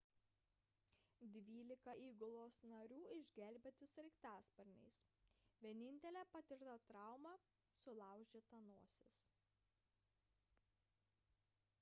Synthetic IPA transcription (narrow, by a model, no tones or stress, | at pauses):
d̪ʲʋʲiːlʲɪkɐʔiːɡʊlˠoːsnɐɾʲuːɪʒʲɡʲɛlʲbʲɛt̪ʲɪsɾʲɛɪkt̪æːspɐɾʲnʲɛ̰ɪsʋʲiɛnʲɪnʲt̪ʲɛlʲæːpɐt̪ʲɪɾʲt̪ɐt̪ɾɑˑʊmɑ | sʊlˠɑˑʊʒʲeːt̪ɐnuɔsʲɛs